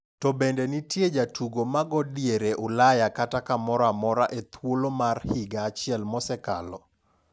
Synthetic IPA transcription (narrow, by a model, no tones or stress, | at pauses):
tɔbendenitjed͡ʒatʰuɡomaɡɔdjeɾeʔʊlajakatakamɔɾamɔɾaʔet̪wolomarhiɡaːt͡ʃɪɛlmɔsɛka̰lɔ